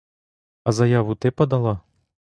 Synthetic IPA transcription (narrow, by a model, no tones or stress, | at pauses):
ɐzɐjavut̪ɛpɐd̪alˠa